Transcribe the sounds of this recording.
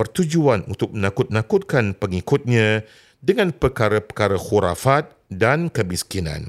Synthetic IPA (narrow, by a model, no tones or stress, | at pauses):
pərt̪ud͡ʒuanṵnt̪ʊk̚mənãkʊt̪̚mənãkʊt̪̚kanpəŋikʊt̪̚ɲã | dəŋãnpəkaɾapəkaɾəxuɾa̰fat̪̚ | dankəmiskinã̰n